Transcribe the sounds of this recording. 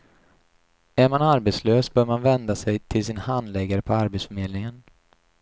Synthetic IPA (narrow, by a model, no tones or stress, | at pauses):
æɾmanaɾbɛt̪sløːsbœːɾmanvɛnd̪asɛjt̪ʰɪlsɪnhand̪lɛɡaɾəpʰɔaɾbɛt̪sfœɾmeːd̪nɪŋən